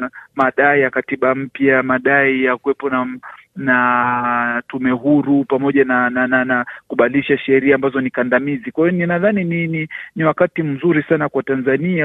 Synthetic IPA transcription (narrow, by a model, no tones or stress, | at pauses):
maɗaijakatiɓam̩pjamaɗaijakwɛpɔnana | tumɛɦuɾupamɔʄananananakuɓaliʃaʃɛɾiaambazɔnikandamizikwajɔninaðaninininiwakatim̩zuɾisanakwatanzania